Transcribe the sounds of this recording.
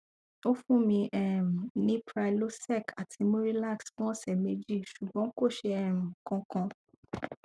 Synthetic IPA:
o˦fũ˦mĩ˧ʔɛ˦˨m̩˨nĩ˦pɾa˧ilo˦sɛ˦˨ka˨tʰi˨˧mõ˦ɾi˦la˦˨ksfɔ̃˦˨sɛ˨me˧d͡ʒi˦˨ʃu˨ɡ͡bɔ̃˨˦ko˦˨ʃe˧ɛ˨m̩̃˨kɔ̃˧kɔ̃˧

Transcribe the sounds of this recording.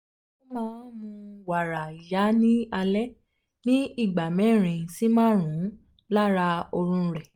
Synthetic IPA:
o˦mãː˦mũ˧wa˨ɾa˨i˨ja˨˦nĩ˦a˧lɛ˦ | nĩ˦i˦˨ɡ͡ba˨mɛ̃˨˦˨ɾ̃ĩ˧si˨˦mãː˦ɾ̃ũ˨˦ | la˦ɾa˧o˧ɾũ˧ɾɛ˨

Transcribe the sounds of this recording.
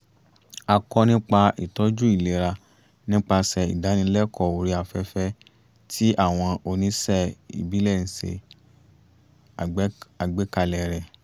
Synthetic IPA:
a˧kɔ˧nĩ˦k͡pa˧ʔḭ˨tɔ˨˦d͡ʒu˦i˦˨le˨˦ɾa˧ | nĩ˦k͡pa˧sɛ˨ḭ˨da˨˦nĩ˧˦lɛ˦kʰɔ˨o˨ɾi˨˦a˧˨fɛ˦fɛ˦ | tʰi˦ʔa˦˨w̃ɔ̃˧o˧nĩ˦sɛ˦˨ḭ˨bi˨˦lɛ˦˨nĩ˨˦sḛ˧˦ | a˨ɡ͡be˨˦ka˧lɛ˨ɾɛ˨

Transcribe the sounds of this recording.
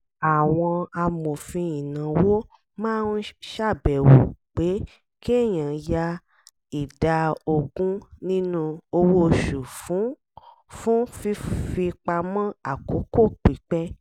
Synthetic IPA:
a˨w̃ɔ̃˧a˧mo˨fĩ˧ĩ˨nã˨wo˦ | mãː˦˧n̩˦ʃa˦˨bɛ˨wo˨k͡pe˨˦ | ki˦e˦˨j̃ã˨ja˧ | i˨da˨o˧ɡũ˦nĩ˦nũ˦o˧wo˦˨ʃu˨fũ˨˦ | fũ˦fi˧fi˧k͡pa˧mɔ̃˦a˨ko˨˦ko˦˨k͡pi˨˦k͡pɛ˦

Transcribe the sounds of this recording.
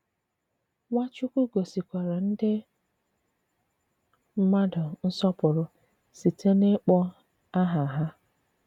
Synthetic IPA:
ŋʷa˦t͡ʃʊ˦kʷu˦ɡo˨si˨kʷa˨ɾa˨n̩˦dɪ˦ | m̩˦ma˦dʊ˨n̩˦sɔ˦pʊ˨ɾʊ˨ | si˨tʰe˦ne˦k͡pɔ˦ | a˦ɦa˨ɦa˦

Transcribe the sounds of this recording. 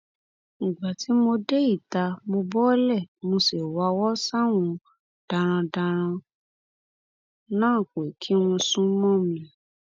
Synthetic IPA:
nĩ˨ɡ͡ba˨ti˨˦mo˧de˦i˦˨ta˧mo˧bɔ˦lɛ˦˨mo˧se˨wa˧˦wɔ˦sa˦w̃ɔ̃˧ | d̥a˧ɾ̃ã˧da˧ɾ̃ã˧ | nãː˦˨ke˨kʰi˨˦w̃ɔ̃˧sũ˦mɔ̃˦˨mĩĩ˧

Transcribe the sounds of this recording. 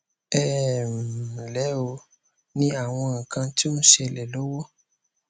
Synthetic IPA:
ɛ˦˨m˨lɛ˨˦o˧ | nĩ˦a˨w̃ɔ̃˧ã˨kã˧ti˦ũ˦ʃe˧lɛ˨lo˦wɔ˦

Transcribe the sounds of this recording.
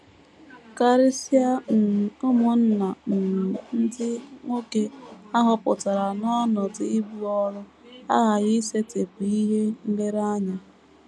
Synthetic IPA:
ka˦ɾɪ˦si˦a˦n̩˨ʊ˦mʊ˨n̩˦na˨n̩˨n̩˦dɪ˦ŋʷo˦ke˦a˦ɦʊ˦pʊ̰˨ta˨ɾa˨nɔ˦nʊ˨dɪ˨ɪ˦bu˦ɔ˦ɾʊ˦ | a̰˦ɣa˨ɣɪ˦se˦te˨pu˨i˦ɦe˦ŋ̩˦ɡe˦ɾa˦ɲa˦

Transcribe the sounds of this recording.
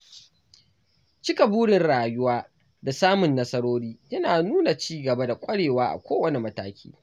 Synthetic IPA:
t͡ʃɪ˦ka˨buː˦ɽɪ˨nɽaː˨jʊ˦waː˦ | da˨saː˦mʊ˨nːɐ˦sɐ˦ɽoː˦ɽiː˦jɐ˦naː˨nuː˦na˨t͡ʃiː˦ɡɐ˨ba˦da˨kʷʼɐ˦ɽeː˨waː˦ʔa̰˨kʷoː˦wɐ˨ne˨mɐ˦taː˦kʲʰḭː˦

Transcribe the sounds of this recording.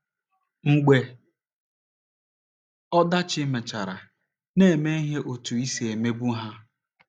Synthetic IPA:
ŋ̩˦ɡ͡be˨ | ɔ˦da˦t͡ʃɪ˦me˨t͡ʃa˨ɾa̰˨ | ne˦˨me˦i˦ɦe˦ʔo˨tu˨i˦se˨me˦ɡʷu˦ɦa˦

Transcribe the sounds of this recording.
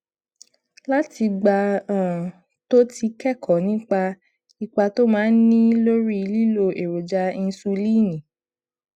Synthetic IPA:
la˦ti˧ɡ͡ba˧ãː˦˨ | to˦tʰi˧kɛ˦˨kʰɔ˨nĩ˦k͡pa˧ | i˧k͡pa˧to˦mãː˦n̩˦nĩ˦lo˦ɾi˦˧li˦lo˧ʔe˨ɾo˨d͡ʒa˧n̩˧su˧liː˦˨nĩ˨

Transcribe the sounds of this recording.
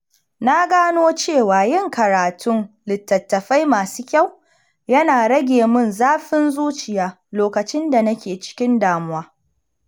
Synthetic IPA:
na˦ɡaː˦noː˦t͡ʃeː˦˨waː˨jɪ˦ŋkɐ˨ɾaː˨tʰʊ˦n | lɪ˨tːɐ˨tːɐ˨ɸa˦jmaː˨suː˦kʲa˦˨w | jɐ˦naː˨ɽɐ˦ɡʲeː˨mʊ˦˨nzaː˦ɸɪ˦nzuː˦t͡ʃɪ˨jaː˦ | loː˨kɐ˨t͡ʃɪ˦nda˨nɐ˦kʲeː˨t͡ʃɪ̥˦kʲɪ˦ndaː˨mʊ˦waː˦

